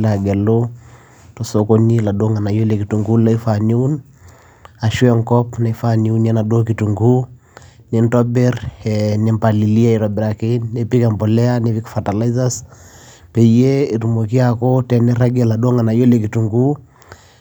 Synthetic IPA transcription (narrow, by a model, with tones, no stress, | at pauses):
la˨ɡɛ˨lo | to˨soko˦ni˦la˨do˦ŋa˨na˨jo˦le˨ki˨tu˨ŋɡu˦la˦i˦fa˨ni˦u˦n | a˨ʃwɛ˦ŋkɔ˦pna˨i˦fani˦u˦nɛ˦na˨do˦ki˨tu˨ŋɡu˦ | nentɔ˦bɛ˦ɾne˨mpa˨li˨li˦a˦i˨ɾɔbɛ˨ɾa˨ke˦nne˦pi˦kɛ˨mbɔ˨lɛ˦a˦ne˦pi˦kfa˨ta˨la˦iza˦s | pe˨je˦i˨tu˨mo˨ki˦a˨kotɛ˨ne˦ɾa˦ɡɛ˦la˨do˦ŋa˨na˨jo˦le˨ki˨tu˨ŋɡu˦